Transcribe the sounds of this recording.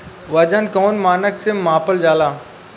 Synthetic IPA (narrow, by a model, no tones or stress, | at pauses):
ʋɐd͡ʒənkoːnmaːnəksemaːpəld͡ʒaːlaː